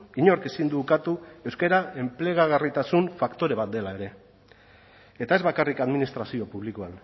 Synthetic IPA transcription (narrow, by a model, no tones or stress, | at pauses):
iɲo̞ɾkesind̪ukat̪ue̞wskeɾae̞mple̞ɣ̞aɣarit̪asuɱfakt̪o̞ɾe̞β̞at̪̚d̪e̞lae̞ɾe̞ | et̪aezβakarikaðminist̪ɾasio̞puβ̞likoan